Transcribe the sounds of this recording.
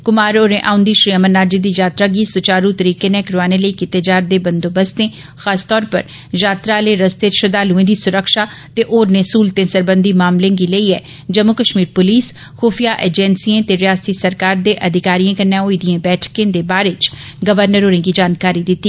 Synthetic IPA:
kʊmaːɾoːɾẽːʔaːʊ̃nd̪iːʃɾiːəmənnːaːd͡ʒid̪iːd͡ʒaːt̪ɾaːɡiːsʊt͡ʃaːɾut̪əɾiːkeːneːkɾʋaːnẽːləiːkɪt̪eːd͡ʒaːɾd̪eːbənd̪oːbəst̪ẽː | xaːst̪ɔːɾpə̰ɾ | jaːt̪ɾaːleːɾəst̪eːʃəd̪aːlʊẽːd̪iːsʊɾəkʃaː | t̪eːʔoːɾneːsuːlt̪ẽːsəɾbənd̪iːmaːmlẽːɡiːləiːɛ̰ː | d͡ʒəmʊkəʃmiːɾpʊliːs | xuːpʰijaːʔeːd͡ʒɛnsiẽːt̪eːɾɪjaːst̪iːsəɾkaːɾd̪eːʔəd̪ɪkaːɾijẽːkənːjãːoːid̪iẽːbɛːʈʰkẽːd̪eːbaːɾeːt͡ʃ | ɡəʋəɾnəɾoːɾẽːɡiːd͡ʒaːnkaːɾiːd̪ɪt̪ːiː

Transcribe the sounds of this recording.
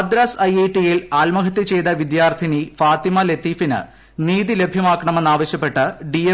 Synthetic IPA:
ɐd̪ɾaːsɐjeːʈːijilaːlmɐɣɐt̪ːit͡ɕejd̪ɐʋid̪jaːrd̪ʰʱinifaːt̪imɐlet̪ːiːfinɨ̰ | niːðile̞bʱjɐmaːkːɐɳɐme̞nːaːʋɐɕjɐpːe̞ʈːɨɖie

